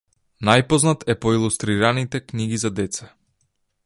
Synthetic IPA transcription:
najpɔznat̪ɛpɔilˠust̪ɾiɾanit̪ɛkniɡizad̪ɛt̪sɛ

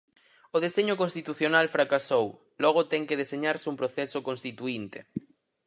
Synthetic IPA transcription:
oð̞eseɲokõnst̪it̪uθjonalfɾakasow | lɔɣ̞ot̪ɛŋkeð̞eseɲaɾsumpɾoθɛsokonst̪it̪uint̪e

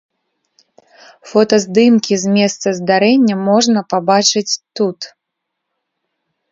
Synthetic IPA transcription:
fɔt̪ɐzd̪ɨmkʲizʲmʲɛst̪sɐzd̪aɾɛnʲːɐmɔʐnɐpabat͡ʂɨt͡sʲt̪ut̪

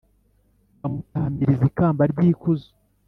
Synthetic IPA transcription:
amutaːmbiɾizikaːmbaɾɟiːkuzo̥

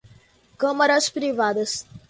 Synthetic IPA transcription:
kɐ̃mɐɾɐspɾivad̪ɐs

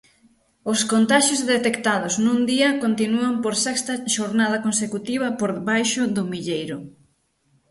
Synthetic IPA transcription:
oskont̪aʃjozðet̪ekt̪aðʊznũnd̪iɐkont̪inuɐmpoɾsɛkst̪ɐʃoɾnaðɐkonsekut̪iβ̞ɐpoɾβajʃʊðʊmiʎejɾʊ

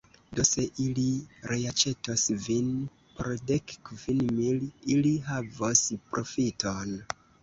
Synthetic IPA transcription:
do̞se̞ʔiliɾʔeat͡ʃe̞tosvin | poɾde̞kkvinmililiɦavospɾo̞fiton

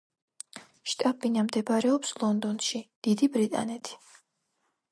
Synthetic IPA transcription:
ʃt̪ʼabinamd̪ɛbaɾɛɔpslˠɔnd̪ɔnʃid̪̥id̪ibɾit̪ʼa̰nɛt̪ʰi̥

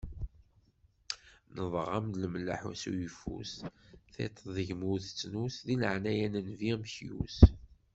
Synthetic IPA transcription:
nəðˤʁɑmd̪ləməlːa̰ħṵsṵjəfṵsθḛt̪ˤʰðəʝmuθt͡sːnusðilə̰ʕnæjænənviʁmçjṵs

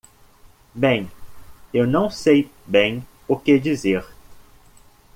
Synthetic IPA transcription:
bẽj̃ewnɐ̃w̃sejbẽj̃ | ʊked͡ʒizeɾ

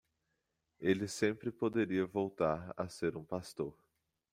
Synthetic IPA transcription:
elɪsẽpɾɪpod̪eɾiɐvowt̪aɾa̰seɾũpast̪oɾ

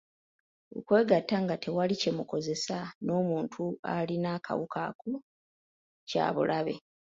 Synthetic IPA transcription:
o̰kwe̞ːɡatːaŋɡate̞walice̞muko̞ze̞sano̞ːmuːntʰua̰linaːkʰa̰wukʰa̰ku | ca̰ːβṵlʔaβe̞̰

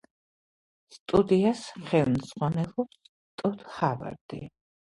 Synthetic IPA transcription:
st̪ʼud̪iasχɛlˠmz̥ʁwanɛlˠɔps | t̪ʼɔd̪hava̰ɾd̪̥ḭ

